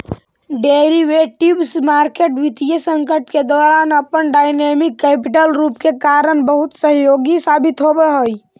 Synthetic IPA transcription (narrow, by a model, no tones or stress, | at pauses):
ɖeɾiʋeʈibsmaːɾkeʈʋit̪ijesəŋkəʈked̪ɔːɾaːnəpənɖaːɪnemɪkːɛːpɪʈəlɾuːpkekaːɾənbəɦʊt̪səɦjoɡisaːbɪt̪ɦobeɦoi